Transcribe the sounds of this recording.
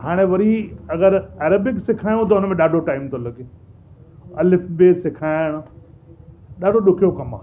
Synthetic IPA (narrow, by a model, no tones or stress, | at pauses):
haːɽ̃eʋɐɾiɐɡəɾɛːɾəbɪksɪkʰaːjũt̪̬ɐʊnəmẽɗaːɖʱoʈaːɪmt̪olɐɡe | ɐlɪfʰbesɪkʰaːɪɽ̃ʊ̆ | ɗaːɖʱoɗʊkʰijokɐma̰ː